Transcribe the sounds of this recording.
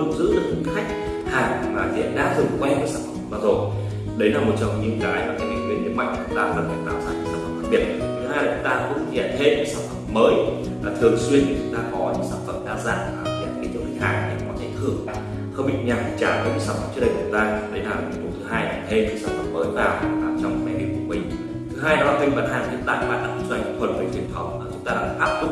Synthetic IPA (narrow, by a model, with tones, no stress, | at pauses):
ɨ˨˧˩ŋ͡m̚zɨ̰˧˥zɨ˦˥k̚k̪i˨˧˦xa˦˥jk̟̚ | haː˨˩ŋ˨˩laː˨˩zɛ̰˧˨ɗa̰ː˨˧˥zɨ˨˩kwɛ˧nkaː˨˦saː˧˩nfə˨ə˨˧˦ɓaː˧˩zo˨˩j | ɗə˨˦jlaː˨˩mo˨˩t̚t͡ɕɔ˧wŋ͡mɲɨ̰˧ənkaː˨˦jvaː˨˩kaː˨˦jɓḭ˨˧˩ŋwi˨˦əni˨˦ma̰˧˨jŋ̟˨u˨˦t̪aː˧˩zə˨˩və˨˩laː˧˩msaː˧˩a˨˦˩saː˧˩nfə˧˩faː˦˧˥ɓi˨˩ət̚t̪ʰɨ˨˦haː˧jlaː˨˩t͡ɕʊ˨˦ŋ͡mt̪aː˧xə̰˧˥i˧˨ɛ˧˨t̪ʰe˧kɨ̰˧˥saː˧˩nfə˧˩mːəː˨˦j | a˨˩t̪ʰɨ˨˩əŋswi˧ənt̪i˨˩t͡ɕʊ˨˦ŋ͡mt̪aː˧kɔ˨˦ɲɨ̰˧˥ŋsaː˧˩nfə˧˨˩mɗaː˧za̰ː˧˨˩ŋa̰ː˨˩˨kːa˨˧˦jt͡ɕɨ˦˥əŋhʰi˧˩ŋhaː˨˩ŋɗḭ˨˧˩kɔ˨˦kɛ˨˦t̪ʰɨ˧˩əŋ˧˨ | xə˧ŋ͡mɓḭ˧˨ɲaː˨˩˨t͡ɕaː˧˩kə˨˧˦ɲɨ̰˧˥saː˧˩ŋfə̰˨˩t͡ɕɨ˦˥˩ɗə˧˩jʊ˨˩ə˦t̪aː˧ɗə˨˦jlaː˨˩˨mi˨˩˦ɗo˨˦t̪ʰɨ˨˦ɦaː˧jʔa̰˧˨˩t̪ʰe˧t͡ɕɨ˧˥saː˧˩nfə̰˨˩mːəː˨˦jvaː˨˩waː˨˩t͡ɕɔ˧wŋ͡mmɛ̰˧˩ɗi˧˨ku˧˩ə˩mï˨˩ŋ̟ | t̪ʰɨ˨˦ɦaː˧jlaː˨˩waː˧˩ï˧ŋ̟ɓa̰ː˧˩nhaː˨˩ŋvḭ˧˥nt̪a̰ː˧˨jma̰ː˧˨nɗa˦˥k̚ːza˧˩jŋ̟kkʰwə˧˩nvəː˧˩jfwi˧˩ənt̪ʰɔ˨˦waː˨˩t͡ɕʊ˨˦ŋ͡mt̪aː˧ɗaː˧faː˦˥p̚kʊ˦˥